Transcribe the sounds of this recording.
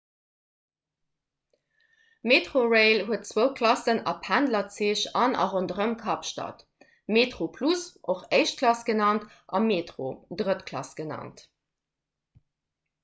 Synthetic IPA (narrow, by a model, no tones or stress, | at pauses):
meːtʁoʁeɪlɦuət̚t͡swəʊkʰlɑsənɑpʰːændlɐt͡siəɕɑnʔɑ̰ʁondəʁəmkʰɑpʃtɑ̰t | meːtʁopʰlusʔoχeɪʃt̚kʰlɑsɡ̥ənɑnt | ʔɑmeːtʁo̰dʁətkʰlɑ̰sɡ̥ənɑ̰nt